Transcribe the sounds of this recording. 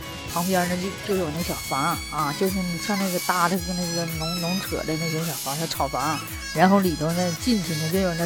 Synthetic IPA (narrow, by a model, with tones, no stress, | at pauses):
pʰɑ˧˥ŋpjɛ˧˥˧nə˥o˥˧t͡ɕjo˥˩ʊjʊn˥˩ɡə˩ɕjɑ˨˩ʊfa˧˥n | ɐ˥˧t͡ɕjo˥˧ʊʂ̬ɻ̩˥˩ni˨˩ɕjɑ˥˧ŋna˥˩ɡə˩t̪a˥˩d̪ə˨˩˧na˥˩ɪɡə˩nʊ˧˥ŋnʊ˧˥ŋʈ͡ʂʰɤ̰˨˩d̪ə˦na˥˩ɛ˧˥ŋɕjɑ˨˩ʊfa˧˥t̪ʰa˥˩ʈ͡ʂʰɑ˨˩ʊfa˧˥n | ɻa˧˥nxo˥˩ʊli˨˩t̪ʰo˧˥ʊna˥˧ɪ˧t͡ɕi˥˩nt͡ɕʰi˧˥ŋnə˧t͡ɕjo˥˧ʊjʊna˥˩